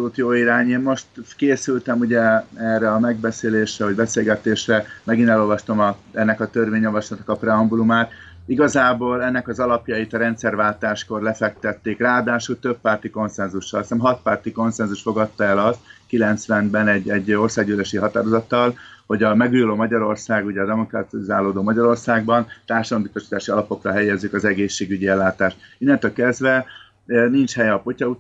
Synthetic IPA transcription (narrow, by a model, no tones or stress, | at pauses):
olut̪joːiɾaːɲeːnmo̞ʃt̪keːsylt̪ɛmuɟɛɛrːɛɒmɛɡ̚bɛseːleːʃrɛɦoɟbɛseːlɡɛt̪eːʃrɛmɛɡinɛlo̞lvɒʃt̪omɒɛnːɛkɒt̪ørʋeːɲjɒvɒʃlɒt̪nɒkɒprɛɒmbulumaːt̪ | iɡɒzaːboːlɛnːɛkɒzɒlɒpjɒjit̪ɒɾɛnt̪sɛrvaːlt̪aːʃko̞rlɛfɛk̚t̪ɛt̪ːeːkraːd̪aːʃult̪øpːaːrt̪iko̞nsɛnzuʃːɒlsɛmɦɒt̪̚paːrt̪iko̞nsɛnzuʃt̪fo̞ɡɒt̪ːɒɛlɒst̪̚kilɛnt̪sʋɛnbɛnɛɟɛɟːo̞rsaːɡyleʃiɦɒt̪aːɾo̞zɒt̪ːɒlho̞ɟɒmɛɡujuloːmɒɟɒɾo̞rsaːɡuɟɛːd̪ɛmo̞krɒt̪zaːloːd̪oːmɒɟɒɾo̞rsaːɡbɒnt̪aːrʃɒd̪ɒmbist̪oʃi̥t̪aːʃiɒlɒpo̞krɒɦɛjːɛzːykɒzɛɡeːʃːeːɡyɟiɛlːaːt̪aːʃt̪inːɛnt̪ølkɛzd̪vɛ | nint͡ʃhɛjɛɒpocɒu